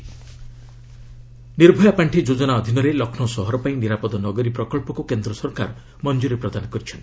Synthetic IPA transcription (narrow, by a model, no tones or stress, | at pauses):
niɾbʱɔjapaɳʈʰid͡ʒod͡ʒɔnaɔd̪ʱinɔɾelɔkʰnɔsɔɦɔɾɔpaĩniɾapɔd̪ɔnɔɡɔɾipɾɔkɔɭpɔkukend̪ɾɔsɔɾka̰ɾɔ | mɔnd͡ʒuɾepɾɔd̪anɔkɔɾit͡ʃʰɔnt̪